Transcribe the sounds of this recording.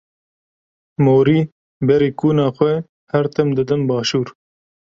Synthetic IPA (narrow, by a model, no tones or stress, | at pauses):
moːɾiː | bɛɾiːkuːnɑːxʷɛ | hɛɾt̪ɛmd̪ɨd̪ɨmbɑːʃuːɾ